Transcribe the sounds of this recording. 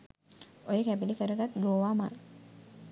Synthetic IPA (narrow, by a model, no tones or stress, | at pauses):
ojəkæbilikəɾəɡat̪ɡoːʋaːma̰l